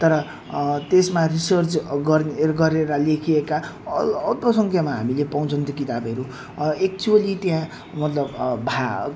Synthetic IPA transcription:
t̪ʌɾʌ | t̪esmarisʌrt͡sɡʌɡʌɾeɾʌlekʰiekaː | t̪ʌsʌŋkʰjamaɦamilepaw̃t͡sʰʌnt̪ekit̪abʌɾu | ek̚t͡suʌlit̪jã | mʌt̪lʌbbʱa

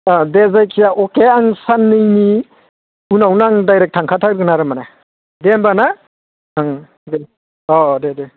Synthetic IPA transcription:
adezajkʰijaʔɔkeaŋsanːɯjni | unawnaŋdajɾek̚tʰaŋkʰatʰakɾɡɯnaɾɯmana | dembana | naŋ | de | ɔdede

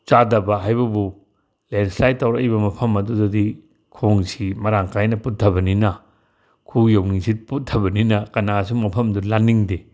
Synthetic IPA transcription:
t͡ʃadɐbɐɦajbɐbu | lenslajtawɾɐjbɐmɐpʰɐmɐdudɐdi | kʰoŋsimɐɾaŋkʰajnɐput̚tʰɐbɐninɐ | kʰujowniŋsit̚put̚tʰːɐbɐninɐkɐnas̬umɐpʰɐmdulanːiŋde

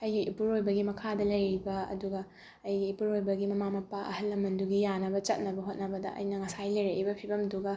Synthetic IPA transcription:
ɐjɡiʔipuɾojbɐɡimɐkʰadɐlɐjɾibɐɐ̰duɡɐ | ɐjɡiːpuɾojbɐɡimɐmamɐpaʔɐ̰hɐlːɐmɐnduɡijanɐbɐt͡ʃɐt̚nɐbɐɦot̚nɐbɐdɐ̰ʔɐ̰jnɐŋɐsajlɐjɾeibɐpʰibɐmduɡɐ

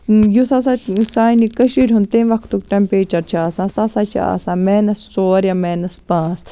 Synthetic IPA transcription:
jusas̬aːsaːjnikɐʃiːɾʲɦund̪t̪inʋɐkʰt̪ukʈɛmpeːt͡ʃɐɾt͡ʃʰaːsãːsasaːt͡ʃʰḭa̰ːsãːmɛːnɐst͡soːɾjamɛːnɐspãːs

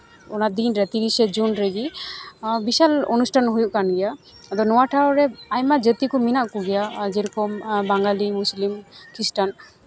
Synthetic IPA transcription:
ɔnad̪inɾɛt̪iɾisɛd͡ʒunɾeɡi | bisalɔ̰nusʈʰanɦujuʔkanɡɛja | d̪ɔnɔwaʈʰaɾɔɾɛajmad͡ʒət̪ikɔminaʔkɔɡɛjad͡ʒɛɾɔkɔmbaŋɡalimuslimkʰisʈan

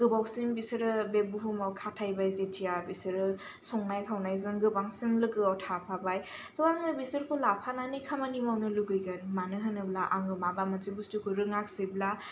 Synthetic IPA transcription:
ɡ̥ɯbawsimbisɯɾɯbebuɦumawkʰatʰajbajzetʰijabisɯɾɯ | sɔŋnajkʰawnajzɯŋɡɯbaŋsimlɯkɯawtʰapʰabaj | tɔwaŋɯbisɯɾkʰulapʰananɯjkʰamanimawnɯluɡɯjɡɯnmanɯɦɯnɯblaʔaŋɯmabamɐzibustukʰuɾɯŋak̚sibla

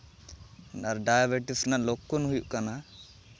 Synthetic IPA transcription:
aɾɖajabɛʈisnaʔlokːɔnɦujuʔkana

